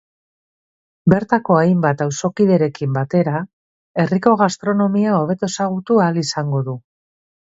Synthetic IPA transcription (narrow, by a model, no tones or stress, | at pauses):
be̞ɾt̪ako̞ajmbat̪awso̞kiðe̞ɾe̞kimbat̪e̞ɾa | e̞riko̞ɣast̪ɾo̞no̞miao̞β̞e̞t̪o̞saɣ̞ut̪ualisaŋɡo̞ðu